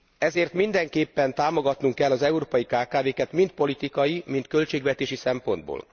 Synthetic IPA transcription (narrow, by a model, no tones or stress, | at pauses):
ɛzeːrt̪mind̪ɛŋkeːpːɛnt̪aːmo̞ɡɒt̪nuŋkɛlːɒzɛuɾoːpɒjikaːkaːveːkɛt̪mint̪̚po̞lit̪ikɒjimint̪̚kø̞lt͡ʃeːɡʋɛt̪eːʃisɛmpo̞nd̪bo̰ːl